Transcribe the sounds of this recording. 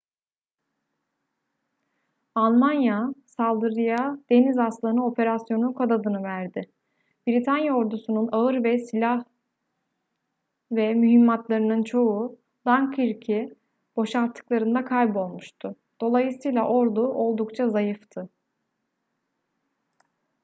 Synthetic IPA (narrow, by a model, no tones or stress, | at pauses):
alˠmanjasalˠd̪ɯɾɯjad̪̥e̞nizaslˠanɯo̞pʰe̞ɾasjo̞nukʰod̪ad̪ɯnɯvæɾd̪ɪ | biɾit̪ʰanjao̞ɾd̪usununaɯɾvɛsilʲah | vɛmyɦimːat̪lˠaɾɯnɯnt͡ʃʰo̞u | lˠaŋkʰiɾcʰi | b̥o̞ʃaɾt̪ʰːɯ̥klˠaɾɯnd̪akʰajbo̞lˠmuʃt̪ʰʊ | d̪̥o̞lˠajɯsɯjlˠaʔo̞ɾd̪uʔo̞lˠd̪ukt͡ʃʰazajɯft̪ʰɯ